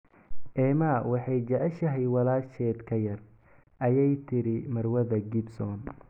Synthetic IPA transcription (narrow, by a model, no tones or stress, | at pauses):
ʔɛːmawɑħɑjt͡ʃɐʕɛʃɐɦɛjwɐlaːʃɛːd̪kʰɐjɐr | ʔɐjɛjt̪ʰɪɾɪmɐrwɐðɐɡɪbsɔːn